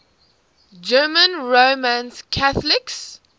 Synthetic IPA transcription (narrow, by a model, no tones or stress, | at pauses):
d͡ʒɜːmə̃nɹomãnskʰaθlɪks